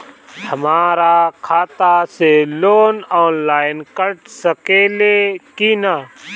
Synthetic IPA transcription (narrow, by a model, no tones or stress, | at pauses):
həmaːɾakʰaːt̪aseloːnɔːnlaːɪnkəʈsəkeːlekinaː